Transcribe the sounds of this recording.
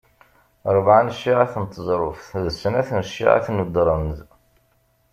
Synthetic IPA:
ɾˤəvʕanʃːiʕaθənt̪ʰːəzˤɾˤʊfθðəsːənæθnʃːḭʕa̰θnəd̪ɾˤɑnəz

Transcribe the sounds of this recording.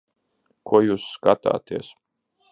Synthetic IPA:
kʰuɔjuːsːkat̪a̰ːt̪iɛs

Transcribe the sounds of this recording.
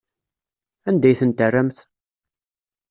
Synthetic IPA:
ænd̪æjθənt̪ərːəmθ

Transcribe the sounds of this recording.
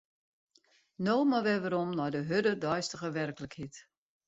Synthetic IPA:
noːmaʋɛʋəɾɔmnɔjdəɦødədɔjstəɣəʋɛrkləkhit

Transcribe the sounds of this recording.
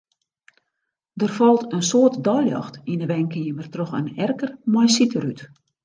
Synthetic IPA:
dərfɔlˠtənsoːtdɔjljɑ̰xtinəʋɛŋkəjəmərtroxə̰nɛrkərmɔjsitəryt

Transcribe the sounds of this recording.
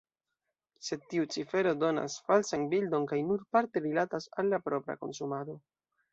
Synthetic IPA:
se̞d̚tiut͡sife̞ɾo̞do̞na̰sfalsanbildo̞nkajnuɾpaɾte̞ɾilatasalːapɾo̞pɾa̰ko̞̰nsumaɾo̞

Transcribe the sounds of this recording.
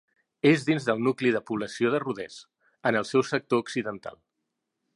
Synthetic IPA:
ezðinzðəlˠnukliðəpuβ̞ləsioðəruðɛs | ənəlˠsɛwsək̚t̪ouksiðənt̪a̰lˠ

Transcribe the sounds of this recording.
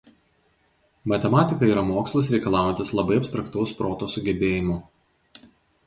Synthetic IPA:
mɐt̪ʲɛmɑːt̪ʲɪkɐiːɾɐmoːkslˠɐs̬ɾʲɛɪkɐlˠɑːjɛnt̪ʲɪslˠɐbɐɪɐpʲst̪ɾɐkt̪ɐʊspɾoːt̪oːsʊɡʲɛbʲeːjɪmʊ

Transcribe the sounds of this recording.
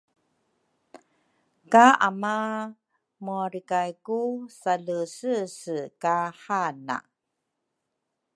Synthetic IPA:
kaama | muaɾikajkusaləsəsəkaħana̰

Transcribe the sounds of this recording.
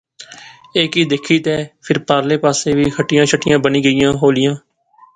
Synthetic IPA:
eːkiːd̪eːkʰiːt̪ɛːpʰɪɾpaːɾleːpaːseːʋiːkʰəʈːɪjãːʃʰəʈːɪjãːbəniːɡəɪjãːɦoːlɪjãː

